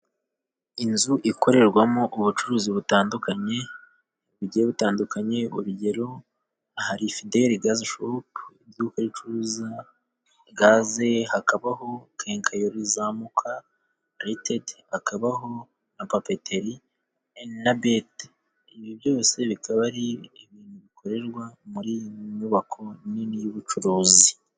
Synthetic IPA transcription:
inzuʔikʰo̞ɾe̞ɾɡwamoʔuβut͡ʃuɾuːziβutaːndukaɲe̞ | uɾuɟeɾeβutaːndukʰaɲe̞ṵɾuɟe̞ɾo̞ | ahaɾifideɾiɡazaʃopiɟuukaɾit͡ʃuɾuːza | ɡaːze̞hakaβaɦo̞kʰeːŋkʰajoɾizaːmukʰa | ɾetedhakaβaɦo̞ | napapeteɾi | enabet | iβjiβjo̞ːse̞βikʰaβaɾieβiːnuβikʰo̞ɾe̞ɾɡwamuɾiɲuβakʰo̞niniβut͡ʃuɾuːzi

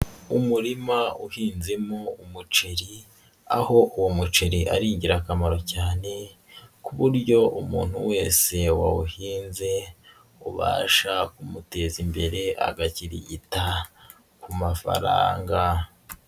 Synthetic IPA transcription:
umuɾimauhiːnzimoumut͡ʃeɾi | aho̞ʔuwomut͡ʃeɾiʔa̰ɾiːɲɟiɾakamaɾo̞caːne̞ | kuβuɾɟo̞ʔumṵːn̥huwe̞ːse̞waβuhiːnze̞ | ṵβa̰ːʃakumute̞zimbe̞ɾe̞ʔa̰ɡaciɾḭɟita | kumafa̰ɾa̰ːŋɡa

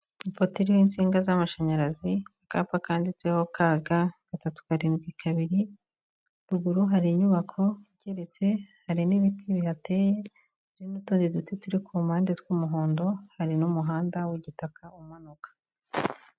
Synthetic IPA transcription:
ipotiɾiwiːnt͡siːŋɡazamaʃaɲaɾaziakaːpakaːndit͡se̞ho̞kʰaːɡaɡ̥atatu̥kaɾinɡikʰaβiɾi | ɾuɡuɾuɦaɾiɲuβakʰo̞ɟ̥eɾe̞t͡se̞haɾiniβipiβiate̞ːje̞ | ɾinutuːndidutetuɾikʰumaːndetkumuɦoːndo̞haɾinumuɦaːndawiɟitakʰaumanokḁ

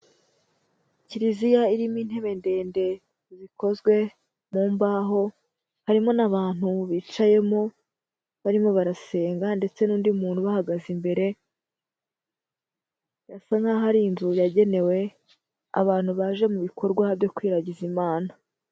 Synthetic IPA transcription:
ciɾizijaiɾimiːn̥he̞βe̞nde̞ːnde̞ | zikʰo̞zɡwe̞ | muːmbaːɦo̞ | haɾimo̞naβaːn̥huβiːt͡ʃaje̞mo̞ | βaɾimo̞βaɾase̞ːŋɡande̞t͡se̞nuːndiumuːnhuβahaɡazimbe̞ɾe̞ | jasaŋaɦaɾinzujaɟe̞ne̞we̞ | a̰βaːn̥huβaʒe̞muβikʰo̞ɾɡwaβjo̞kwiːɾaɟizimaːna

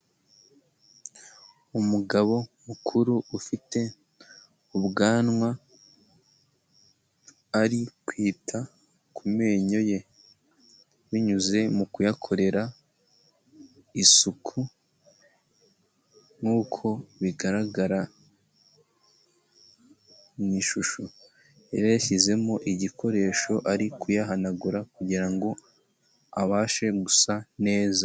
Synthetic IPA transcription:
umuɡaβo̞mukʰuɾuufite̞ | uβɡaːnŋwa | aɾikwiːtʰa | kume̞ːɲo̞je̞ | βiɲuze̞mukujakʰo̞ɾe̞ɾa | isukʰu | ŋuːkʰo̞βiɡaɾaɡaɾa | miʃuʃo | eɾejaçize̞mo̞ʔiɟikʰo̞ɾe̞ːʃo̞ʔaɾikujaɦanaɡuɾakuɟiɾaŋɡo̞ | aβaːʃe̞ɡusane̞ːza

